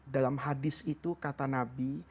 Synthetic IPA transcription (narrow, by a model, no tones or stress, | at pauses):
dalamɦadɪsit̪ukat̪anabi